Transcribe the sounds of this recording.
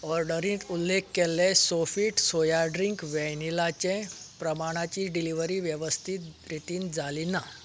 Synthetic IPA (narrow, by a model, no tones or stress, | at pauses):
ɔɾɖəɾĩːt̪ulːekːelːesofiːʈsojaɖɾiŋkʋɛnilat͡ɕẽpɾəmaɽ̃at͡ɕiɖiliʋəɾiːʋjəʋəst̪ʰit̪̚ɾit̪iːnd͡zalina